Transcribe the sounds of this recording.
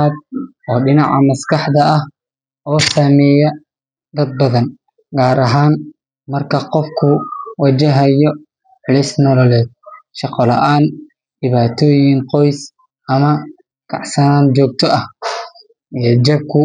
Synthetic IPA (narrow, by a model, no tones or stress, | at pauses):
aːd̪̚ | ɔːɖɪnɑʕɑmɐskɑħd̪ɐɐh | ʔɔːsaːmɛːjɐ | d̪ɐd̪̚bɐðɐn | ɡaːɾɐɦaːn | mɐrkʰɐqɔfkʰʊwɐt͡ʃɐɦɐjɔ | ʕɪlɪsnɔlɔlɛːd̪̚ʃɑqɔlɐʔaːn | ɖɪβaːt̪ʰɔːjɪŋqɔjs | ʔɐmɐ | kʰɑ̰ʕsɐnaːnd͡ʒɔːɡ̚t̪ʰɔʔɐh | ʔijɐd͡ʒɐb̚kʰʊ